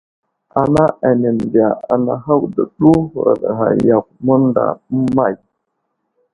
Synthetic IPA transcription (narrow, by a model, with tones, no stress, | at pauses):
a˨na˦ʔa˨ne˨n˨di˨a˨a˨na˨ɦa˦wdə˨ɗu˦˨ɾa̰˨ɗɣa̰˨ja˨k̚mə˦n˦da̰˨m̩˦ma˦˨j